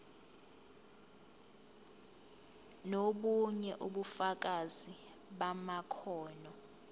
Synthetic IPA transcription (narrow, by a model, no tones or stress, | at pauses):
noɓuɲɛʔuɓufak̬ʼazi | ɓamakʰɔːnɔ